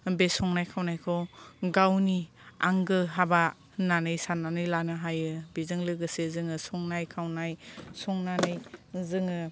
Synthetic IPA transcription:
besɔŋnajkʰawnajkʰɔɡawni | a̰ŋɡɯɦaba | nanɯjsananɯjlanɯɦajɯbizɯŋlɯɡɯsezɯŋɯsɔŋnajkʰawnajsɔŋnanɯjzɯŋɯ

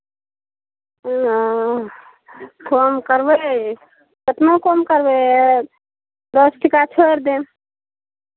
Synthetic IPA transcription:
komkəɾbə | kət̪nokomkəɾbə | d̪osʈʰikat͡ʃʰoɾd̪e

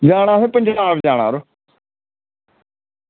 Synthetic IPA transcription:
d͡ʒaːɽ̃ãːseːpəɲd͡ʒtaːfd͡ʒaːɽ̃a̰ːɾo

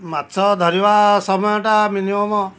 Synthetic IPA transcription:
mat̪sɔd̪ʱɔɾibasɔmɔjɔʈaminimɔmɔ

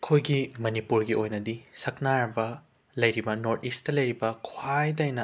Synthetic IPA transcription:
kʰojɡimɐnipuɾɡiʔojnɐdisɐk̚naɾɐbɐ | lɐjɾibɐnoɾtisttːɐlɐjɾibɐkʰwajdɐjnɐ

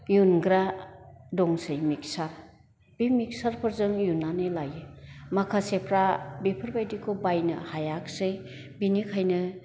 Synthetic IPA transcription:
junɡɾa | dɔŋsɯjmik̚saɾ | b̥imik̚saɾpʰɯɾzɯŋjunːanelajɯmakʰasepʰɾabepʰɯɾbajdikʰobajnɯ̰hajak̚sɯj | binikʰajnɯ

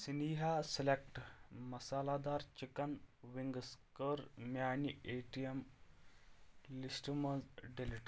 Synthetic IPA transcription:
siniɦaselek̚ʈmɐsalad̪aːɾt͡ʃikɐnʋiŋɡəskəɾmjaːnieʈijɐm | lisʈmɐnzɖiliʈ

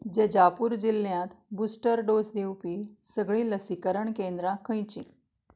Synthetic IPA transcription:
d͡ʑed͡ʑapuːɾd͡ʑiljãt̪busʈəɾɖosd̪ʱewpisəɡɭĩːləsikəɾəɳkend̪ɾakʰə̃jt͡ɕḭ̃

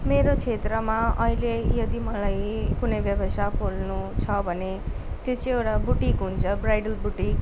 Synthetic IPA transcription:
meɾot͡sʰet̪rʌmaʌɦilejʌd̪imʌlajkunʌjbjʌbʌsapolnut͡sʰʌbʱʌnet̪jot͡sʌĩewʈabuʈikɦunt͡sʰʌbrajɽʌlbuʈik

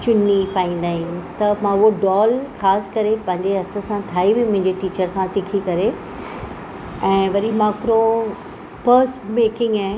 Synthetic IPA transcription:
t͡ɕʊnːipaːĩːnd̪aːɦĩt̪ɐmãʊɦoɖɔːlxaːskɐɾepɐ̃ɦɪ̃ɲd͡ʑeɦɐt̪ʰə̆sãʈʰaːiʋimʊ̃ɦɪ̃ɲd͡ʑeʈiːt͡ɕəɾkʰãsɪkʰikɐɾe | ɛ̃ːʋɐɾimaːkɾo | pəɾsmeːkɪ̃ŋɡaː

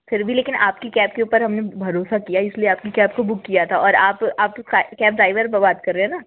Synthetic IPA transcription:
fɪɾbʱileːkɪnʔaːpkikɛːp̚keuːpəɾɦɐmnebʱɐɾoːsakijaɪslieaːp̚kikɛːp̚kobʊkːijat̪ʰaɔːɾaːpaːpakɛːp̚ɖɾaːɪʋəɾbbaːt̪kɐɾːẽɛnaː

